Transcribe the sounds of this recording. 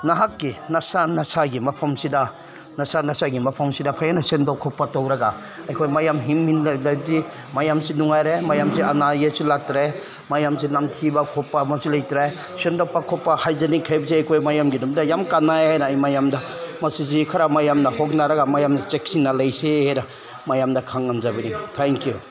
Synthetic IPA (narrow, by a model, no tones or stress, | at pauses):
naɦakːinasanɐsaɡimɐpʰɐmsida | nasanasaɡimɐpʰɐmsidapʰajanasendawkʰɔpːatowɾɐɡa | ajkʰojmajamɦimːinllajdi | majamsinuŋajɾemajamsianajesilatɾe | majamsinamtʰibakʰɔpːamɐsilajtɾaj | sendawpakʰɔpːahajzanikʰajbsiajkʰojmajamɡinumdajamkanːajhajnaːjmajamda | mɐsiz̬ikʰaɾamajamnɐhɔk̚naɾɐɡamajamt͡ʃek̚sinːalɐjsehajna | majamdɐkʰaŋːanzabinitʰeŋkiju